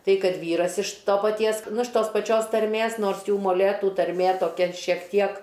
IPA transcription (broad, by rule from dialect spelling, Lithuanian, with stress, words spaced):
ˈtɐɪ ˈkɐt ˈʋʲiːrɐs ɪʃ ˈtoː pɐˈtʲiɛs ˈnʊ ɪʃ ˈtoːs pɐˈt͡ʃʲoːs tɐrʲˈmʲeːs ˈnoːrs ˈjuː moːˈlʲeːtuː tɐrʲˈmʲeː toːˈkʲɪ ʃʲiɛk ˈtʲiɛk